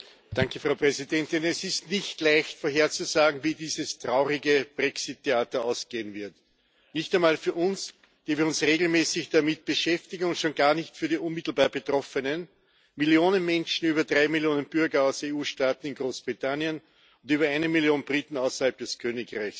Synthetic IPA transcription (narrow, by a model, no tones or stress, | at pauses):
d̥aŋkəfʁ̥ɑʊpʁ̥ɛzidɛntɪnɛsɪstnɪçtlaɪçtfoɐɦeːɐt͡suzaːɡŋ̩viːdiːzəstʁ̥aʊʁɪɡəb̥ʁɛksɪtʰːeaːtɐaʊsɡ̥eːənvɪɐt | nɪçtæɛɪnmaːlfyːɐʊns | d̥iːviːɐʊnsʁeːɡl̩mɛːsɪçd̥amɪt̚b̥əʃɛftɪɡŋ̩ʊntʃoːnɡ̥aːɐnɪçtfyːɐdiːʔʊnmɪtl̩baːɐb̥ətʁ̥ɔfənən | mɪljoːnənmɛnʃn̩yːbɐdʁaɪmɪljoːnənb̥ʏɐɡɐaʊseuːʃtaːtn̩ɪnɡ̥ʁoːsb̥ʁitʰanjən | ʊntyːbɐaɪnəmɪljoːnbʁiːtn̩aʊsɐhalp̚d̥ɛskʰøːnɪkʁaɪçs